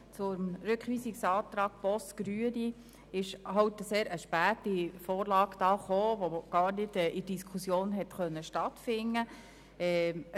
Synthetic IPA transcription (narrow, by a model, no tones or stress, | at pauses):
t͡sʊmɾʏkχʋiːsiksɑːt̪ɾɑːɡ̥̚b̥ɔsɡ̥ɾyədi | ɪʃhɑwtəseːɾʔəʃpæːtifoːɾlɑːɡ̥d̥ɑːχoːʋoɡ̥ɑːɾnɪdɛʔɪd̥iskʰusjoːnɦɛtχœnːəʃtɑtfɪnːə | ɛː